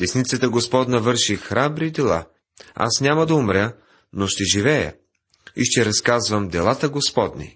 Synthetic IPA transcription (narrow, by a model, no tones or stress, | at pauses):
d̪ɛsnit̪sət̪əɡospɔd̪nɐvɤɾʃixɾabɾid̪ɛlˠa̰ | a̰snʲamɐd̪ɐʊmɾʲə | noʃt̪ɛʒivɛjə̰ | iʃt̪ɛɾɐskazvəmd̪ɛlˠat̪əɡospɔd̪nḭ